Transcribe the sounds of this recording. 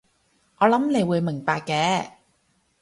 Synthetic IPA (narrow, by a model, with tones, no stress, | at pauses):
ʔɔː˨˧lɐ˨˥mne˨˧jwuː˨˧jmɪ˨˩ŋpaː˧kːɛː˨˥